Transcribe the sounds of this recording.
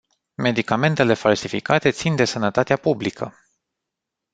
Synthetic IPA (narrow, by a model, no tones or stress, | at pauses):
me̞d̪ikame̞nt̪e̞le̞falsifikat̪e̞t̪sind̪e̞sənət̪at̪eapublikʰə